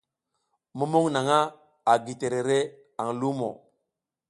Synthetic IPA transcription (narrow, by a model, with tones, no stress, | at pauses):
mu˦mo˦ŋna˨ŋa˦ | a˨ɡi˨te˨ɾe˨ɾe˦ | a˨ŋlu˦mo̰˨